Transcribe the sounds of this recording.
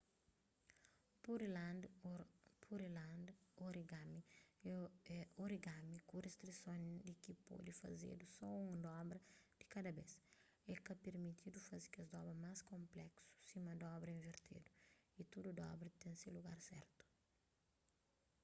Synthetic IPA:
puɾlad̪ | pʰuɾilãd̪oɾiɡami | ɛoɾiɡamikurest̪ɾisõnd̪ikipo̰d̪ifɐ̰zḛd̪usɔũŋd̪ɔbɾɐd̪̥ikad̪ɐbes | ɛkɐpeɾmit̪ʰid̪ufɐzi̥kɐzd̪ɔbɾɐmaskõmplɛksu̥simɐd̪ɔbɾɐĩnveɾt̪ʰḛd̪uit̪ud̪ud̪ɔ̰bɾɐt̪ẽsiluɡaɾsɛ̰ɾt̪u̥

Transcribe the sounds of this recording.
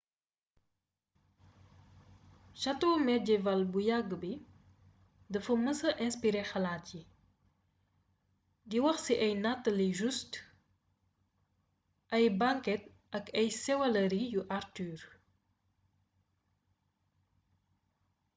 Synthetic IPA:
ʃɐtoːmɛɟɛvɐlbujɐɡːəbi | dɐfɐməsɐʔɛnspiɾexɐlaːtji | diwɐxsiʔɐjnatːɐliʒust | ʔɐjbaŋkɛt̚ | ɐkɐjsɛwɐlɐɾijuʔaɾtyːɾ

